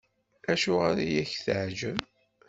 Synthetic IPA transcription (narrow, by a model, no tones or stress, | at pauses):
æʃʊʁaɾijæçθʕʒəm